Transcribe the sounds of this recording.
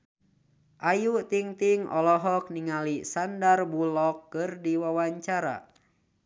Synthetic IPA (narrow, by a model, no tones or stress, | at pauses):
ʔajut̪iŋt̪iŋɔ̰lɔɦɔk̚niŋalisandarbulɔkːɨrdiwawaɲt͡ʃaɾa̰